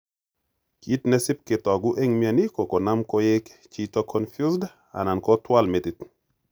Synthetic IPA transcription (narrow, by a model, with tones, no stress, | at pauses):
ki˦tnɛ˦sɪ˦p̚kɪ˨tɔ˨ɡʊ˦ʔe˦ŋmia˨ni˦kɔ˨kɔ˨na˦mkɔ˦je˦kt͡ʃi˦tɔ˦kʰɔ˦nfju˦sd | a̰˨na˨nkɔ˦twa˦lme˨tit